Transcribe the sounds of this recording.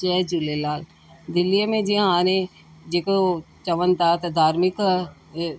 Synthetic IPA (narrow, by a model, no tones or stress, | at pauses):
t͡ʃɛːd͡ʒulelaːl | d̪ɪlːijəmẽd͡ʒiɦãaːne | d͡ʒeko | t͡ʃɐʋənt̪aːt̪d̪ʱaːɾmɪk